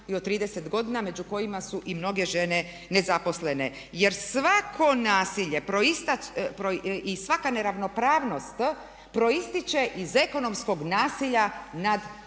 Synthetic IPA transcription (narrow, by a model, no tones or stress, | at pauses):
iot̪t̪ːɾiːd̪ese̞t̪ɡo̞d̪iname̞d͡ʒuko̞jimasuʔimno̞ɡe̞ʒene̞ | ne̞zapo̞sle̞ne̞ | je̞ɾsʋakʰo̞naːsiʎepɾoist̪apɾoisʋakane̞ɾaʋno̞pɾaːʋno̞st̪ | pɾo̞ist̪it͡ʃe̞ʔize̞ko̞no̞msko̞ɡnaːsiʎanad̪